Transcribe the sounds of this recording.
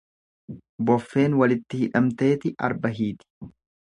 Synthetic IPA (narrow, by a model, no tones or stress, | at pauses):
bɔfːe̞ːnwɐlɪt̪ːɪhɪᶑɐmt̪e̞ːt̪ɪʔɐ̰ɾbɐɦiːt̪ɪ̥